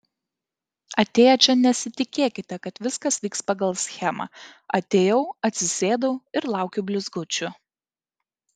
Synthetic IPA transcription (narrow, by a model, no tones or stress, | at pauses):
ɐt̪ʲeːjɛt͡ʃʲɛnʲɛsʲɪt̪ʲɪkʲeːkʲɪt̪ʲɛkɐt̪ʋʲɪskɐsʋʲiːkspɐɡɐlˠsʲxʲɛmɐ̰ɐt̪ʲeːjɛʊɐt̪ʲsʲɪsʲeːd̪ɐʊɪɾlˠɑˑʊkʲʊbʲlʲʊzɡʊt͡ʃʲʊ